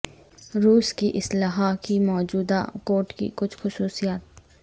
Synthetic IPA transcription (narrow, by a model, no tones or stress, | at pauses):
ɾuːskiʔɪslaːɦakimɔːd͡ʒuːd̪a̰koːɾʈkḭkʊt͡ʃʰxʊsuːsijaːt̪̚